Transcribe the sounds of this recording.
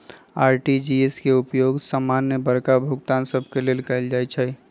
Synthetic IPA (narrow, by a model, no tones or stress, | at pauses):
aːɾʈid͡ʒieskeupjoɡsamanjəbəɾkabʱʊkt̪ansəbʱkelelkald͡ʒajt͡ʃʰə